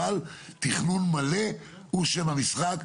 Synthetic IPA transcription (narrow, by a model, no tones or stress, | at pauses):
alt̪iχnunmale̞ | uʃemamisχak